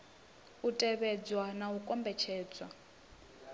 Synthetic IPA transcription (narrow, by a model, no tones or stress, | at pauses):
utʼɛβɛd͡zwanaukʼɔmbɛt͡ʃʰɛːd͡zwa